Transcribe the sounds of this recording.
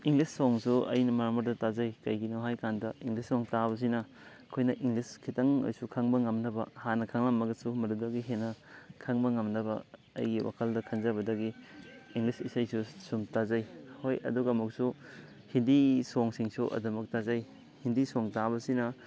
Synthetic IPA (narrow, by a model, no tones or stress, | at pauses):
iŋɡlisːoŋsuɐ̰jnɐmaɾmɐɾdɐtazɐjkɐjɡinowɦajkandɐiŋɡlissoŋtaβɐs̬inɐ | kʰojnɐʔiŋliskʰitɐŋo̰jsukʰɐŋbɐŋɐmnɐbɐ̰hanɐkʰɐŋlɐmːɐɡɐsumɐɾudɐɡiɦenɐkʰɐŋbɐŋɐmnɐbɐ̰ | ɐ̰jɡiwa̰kʰɐldɐkʰɐnzɐbɐdɐɡiːŋlisisɐjsusumtazɐjhojɐ̰duɡɐːmuk̚su | hindisoŋsiŋsuʔɐ̰dɐmɐk̚tazɐj | hindisoŋtabɐsinɐ